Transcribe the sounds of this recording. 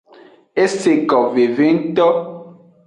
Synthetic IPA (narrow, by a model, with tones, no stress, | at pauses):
e˦se˨kɔ˨ve˨ve˦n̩˦tɔ˦